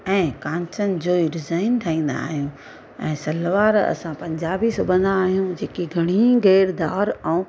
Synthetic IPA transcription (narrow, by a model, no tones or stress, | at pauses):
ɛ̃ːkãːɲt͡ɕənɪ̆d͡ʑoːiɾɪzaːɪnt̪ʰɐĩːn̆d̪a̰ːɦijũ | ɛ̃ːsɐlʋaːɾɐ̰sãpɐ̃ɲd͡ʑaːbisʊbʱə̃nd̪aːɦijũd͡ʑeːkiɡʱɐɽ̃ĩɡeːɾd̪aːɾɛ̃